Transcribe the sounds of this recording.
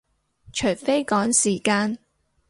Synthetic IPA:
t͡ʃʰɵ˨˩jfe˥jkɔː˨˥ŋsiː˨˩kaː˧n

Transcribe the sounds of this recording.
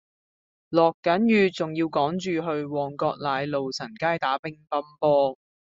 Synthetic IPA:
lɔː˨kːɐ˨˥njyː˨˧t͡sʊ˨ŋjiː˧wkɔː˨˥ŋt͡ʃyː˨ɦɵ˧ɥwɔː˨ŋkɔː˧k̚laː˨˧jlo˨wt͡sʰɐ˨˩nkaː˥jt̪aː˨˥pɪ˥ŋpɐ˥mpɔː˥

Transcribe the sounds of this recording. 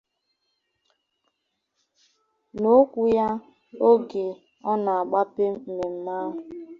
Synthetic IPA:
no˦kʷu˨ja˦ | o˦ɡe˨ | ɔ˦na˨a˨ɡ͡ba˦pe˦˨me˨m̩˦ma˦˨ɦ

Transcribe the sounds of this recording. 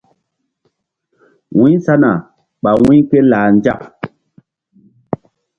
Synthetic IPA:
wi˦sa˦na˨ | ɓa˨wi˦ke˦laː˨nd͡ʒa˦˨p̚

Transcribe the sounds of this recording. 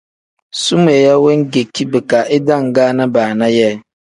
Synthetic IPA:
su˦m˨e˨ja˦wɛ˦ŋ˦ɡe˨kʰi˦bɛ˨ka˨ʔɪ˦dã˦˨ŋ˨ɡaː˦nã˦baː˨nã˦jɛ˦˨

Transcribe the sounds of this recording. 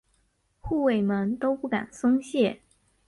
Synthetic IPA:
xu˥˩we˥˩ɪmə˧˥nt̪o˥ʊpu˥˩ka̰˨˩nsʊ˥ŋɕjɛ˥˩

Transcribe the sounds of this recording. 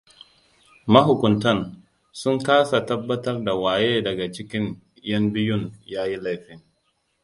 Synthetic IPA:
mɐ˦ɦʊ˨kʷʊ˨ntɐ˦n | sʊ˦ŋkaː˦sa˨tɐ˦bːɐ˦tɐ˦rda˨waː˨jeː˦dɐ˨ɡa˨t͡ʃɪ˦kʲɪ˦n | jɐ˦mbɪ˦jʊ˦˨njaː˦ji˦la˦jɸɪ˦ŋ

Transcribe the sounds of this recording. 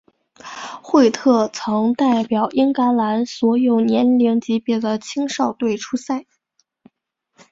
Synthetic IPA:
xwe˥˧ɪt̪ʰɤ˥˩t͡sʰɤ˧˥ŋt̪a˥˩ɪpjɑ˨˩ʊʔi˥ŋka˧˥nla˧˥nswɔ˧˥jo˨˩ʊnjɛ˧˥nli˧˥ŋt͡ɕi˧˥pjɛ˨˩d̪ə˦t͡ɕʰi˥ŋʂɑ˥˧ʊt̪we˥˩ɪʈ͡ʂʰu˥sa˥˩ɪ

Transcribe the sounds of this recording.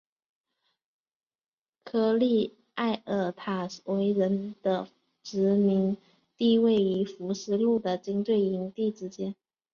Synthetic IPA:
kʰɤ˥li˥˧ | a˥˩ɪʔə˨˩t̪ʰa˨˩we˧˥ɪɻə˧˥nd̪̥ə˧ | ʈ͡ʂɻ̩˧˥mi˧˥ŋ | t̪i˥˧we˥˩ɪi˧˥fu˧˥ʂɻ̩˥˧lu˥˩d̪ə˩t͡ɕi˥ŋt̪we˥˩ɪi˧˥ŋt̪i˥˩ʈ͡ʂɻ̩˥t͡ɕjɛ˥n

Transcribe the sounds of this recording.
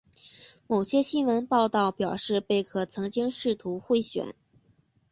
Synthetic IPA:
mo˨˩ʊɕjɛ˥ɕi˥nwə˧˥npɑ˥˧ʊt̪ɑ˥˩ʊpjɑ˨˩ʊʂɻ̩˥˧pe˥˩ɪkʰɤ˨˩t͡sʰɤ˧˥ŋt͡ɕi˥ŋʂɻ̩˥˩t̪ʰu˧˥xwe˥˧ɪɕɥɛ̰˨˩˦n

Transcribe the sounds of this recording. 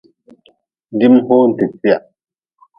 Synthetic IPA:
n˨di˦mho˦n̩˨te˨pja˨

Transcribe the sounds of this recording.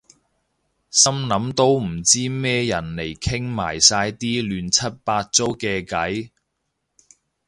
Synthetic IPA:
sɐ˥mnɐ˨˥mt̪o˥wm̩˨˩t͡siː˥mɛː˥jɐ˨˩nle˨˩jkʰɪ˥ŋma̰ː˨˩jsaː˧jt̪iː˥lyː˨nt͡sʰɐ˥t̚paː˧t̚t͡so˥wkɛː˧kɐ˨˥j

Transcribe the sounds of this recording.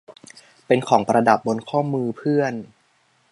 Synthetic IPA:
pe˧nkʰɔː˩˦ŋpɾa˧da˨˩p̚bo˧nkʰɔː˥˩mɯː˧pʰɯ˥˩ən

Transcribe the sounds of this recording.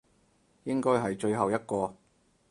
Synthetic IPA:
jɪ˥ŋkɔː˥jɦɐ˨jt͡ʃɵ˧ɥɦɐ˨wjɐ˥t̚kɔː˧

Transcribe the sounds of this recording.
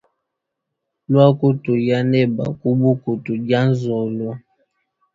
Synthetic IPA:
lwa˦ko˦tu˨ja˦nɛ˦ba̰˨ku˦bu˦ku˨tu˨d͡ʒa˦n̩˦zɔ˨lwa˦

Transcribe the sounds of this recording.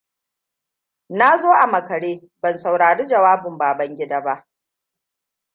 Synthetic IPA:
na˦zoː˦ʔa˨mɐ˨kɐ˨ɽeː˦ | bɐ˨nsa˨wɽaː˨ɽiː˦d͡ʒɐ˨waː˦bʊ˨mbaː˨bɐ˦ŋɡʲɪ˦da˦ba˦ʔ

